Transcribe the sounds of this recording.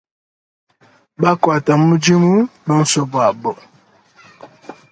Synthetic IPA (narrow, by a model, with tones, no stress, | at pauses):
ba˦kwa˨ta˨mu˦d͡ʒi˦mu˦bə˦n̩˦sɔ˦bwa˨bɔ˨